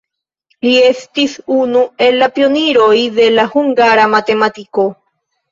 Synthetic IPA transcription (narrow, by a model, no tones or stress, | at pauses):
liest̪isunuelapjoniɾoiðelahuŋɡaɾamat̪emat̪iko